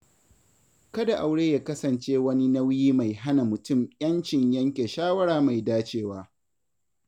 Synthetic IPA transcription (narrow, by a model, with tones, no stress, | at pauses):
kɐ˦da˨ʔa˨wɽeː˦jaː˦kɐ˦sɐ˨nt͡ʃeː˦wɐ˦ni˦na˦wjiː˦ma˨jɦa˦na˨mʊ˨tʊ˦˨mjʲɐ˦nt͡ʃɪ˨ɲjɐ˦ŋkʲe˨ʃaː˦wɐ˦ɽaː˨ma˨jdaː˦t͡ʃeː˦waː˦